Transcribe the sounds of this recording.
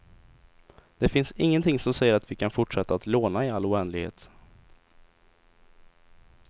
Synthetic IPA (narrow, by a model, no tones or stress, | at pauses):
d̪̥ɛfɪnsɪŋːənt̪ʰɪŋsɔmsɛjːəɾat̪vɪkʰanfʊʈʂɛt̪ːat̪loːnaɪalːʊɛnd̪lɪɡhḛːt̪